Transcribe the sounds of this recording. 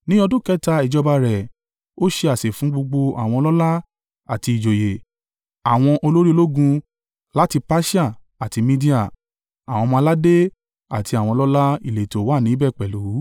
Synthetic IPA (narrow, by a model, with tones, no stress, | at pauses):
nĩ˦ɔ˧dũ˦˨kɛ˦ta˧i˨d͡ʒɔ˧ba˧ɾɛ˨ | o˦ʃe˧a˨se˨fũ˨˦ɡ͡bo˧ɡ͡bo˧a˨w̃ɔ̃˧lɔ˦la˦ | a˨ti˧i˨d͡ʒo˨je˨ | a˨w̃ɔ̃˧ʔo˧lo˦ɾi˦o˧lo˦ɡũ˧ | la˦ti˧pa˦ʃa˦˨ | a˨ti˨˧mĩ˦di˦a˦˨ | a˨w̃ɔ̃˧mãː˧˦la˦de˦ | a˨ti˧a˨w̃ɔ̃˧lɔ˦la˦ḭ˦˨le˨to˨˦wa˦˨nĩ˨˦bɛ˦˨k͡pɛ˨lu˨˦